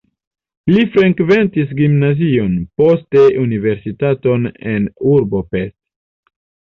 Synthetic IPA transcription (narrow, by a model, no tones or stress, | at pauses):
lifɾeŋkve̞ntis̬ɡimnazio̞npo̞ste̞ʔunive̞ɾsitato̞ne̞nuɾbo̞pest